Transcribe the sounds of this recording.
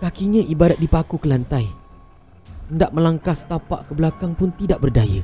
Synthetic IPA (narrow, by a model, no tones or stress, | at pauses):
kakiɲãʔibadat̪̚dipakukəlant̪aj | əndaʔ̚mə̃laŋkast̪apa̰ʔkəbəlakaŋpʊnt̪idaʔbərdaja̰